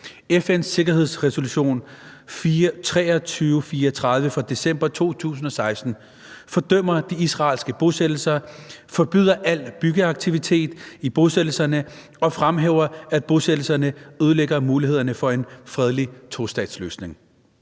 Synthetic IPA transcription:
efen̰sːe̝ɡ̥ɐɦe̝ð̞̰ˠsʁɛso̝luɕo̝̰ːnfit͡sʰʁɛ̰ːɐt͡sʰyːʊfiːɐt͡sʰʁað̞ˠʋəfɑ̈d̥e̝sem̰b̥ɐt͡sʰo̝̰ːt͡sʰṵːs̬n̩ɒ̽sɑ̈ɪsd̥n̩ | fɒ̽d̥øm̰ɐd̥iisʁɑ̰̈ːlsɡ̥əb̥o̝sed̥l̩sɐfɒ̽b̥y̰ð̰ˠɐʔæl̰b̥yɡ̥əɑ̈ɡ̥̚t͡sʰiʋit͡sʰe̝̰ːd̥ib̥o̝seɾ̥l̩sɐnə | ɒ̽fʁamɦḛːʊ̰ɐæd̥̚b̥o̝sed̥l̩sɐnəøð̞ˠleɡ̥ɐmuːliɦe̝ð̰ˠɐnəfɒ̽e̝nfʁɛð̞ˠlit͡sʰosd̥ɛ̰ːd̥slø̰ːsne̝ŋ

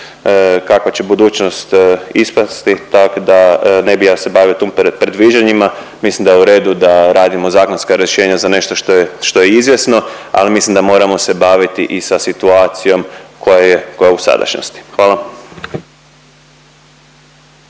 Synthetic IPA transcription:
kakʋat͡ɕe̞bud̪uːt͡ɕno̞st̪ispast̪it̪akod̪anebijase̞baːʋiot̪oːmpɾed̪ʋiːd͡ʒaɲima | mislimd̪ajuɾe̞ːd̪ud̪aɾaːd̪imo̞zaːkonskaɾjeʃe̞ːɲazane̞ʃt̪oʃt̪oʃt̪o̞jeizʋjesno̞a̰limislimd̪amo̞ɾamo̞se̞baːʋit̪iʔisasit̪uaːt̪sijo̞mkʰo̞jajeko̞jausa̰d̪a̰ʃno̰st̪i̥xʋaːlˠa

